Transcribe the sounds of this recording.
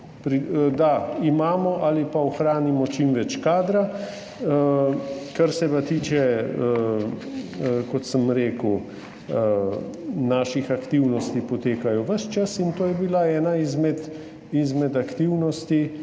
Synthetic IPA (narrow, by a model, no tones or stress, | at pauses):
pɾid̪aimaːmɔʔalipaɔxɾaːnimɔt͡ʃimʋɛt͡ʃkaːd̪ɾa | əkaɾsɛpat̪iːt͡ʃɛə | kɔt̪səmɾeːkəw | ə | naːʃixakt̪iwnɔst̪ipɔt̪eːkajɔʋəʃt͡ʃasint̪oːjɛbilaɛːnaizmɛt̪ | izmɛd̪akt̪iwnɔst̪i